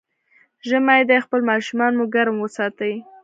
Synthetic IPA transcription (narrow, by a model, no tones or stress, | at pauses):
ʒəmajd̪ajxpəlmɑʃumɑnmuɡaɾmwəsɑt̪ai